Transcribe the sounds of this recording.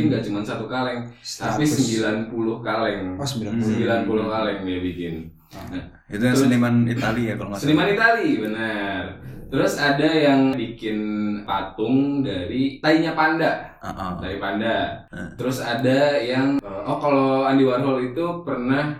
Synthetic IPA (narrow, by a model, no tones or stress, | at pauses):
ŋɡaʔt͡ʃumansat̪ukalɪŋt̪apisəmbilanpulʊhkalɛŋsbsəmbilanpulʊhkalɛŋabikɪn | it̪uɾəlimanialiaksənimanit̪alibənərt̪əɾʊsadajaŋbikɪnpat̪ʊŋdaɾit̪aiɲapanda | oʔt̪aipandat̪əɾʊsadajaŋʔɔhkaloandiwarɦɔlit̪upərnah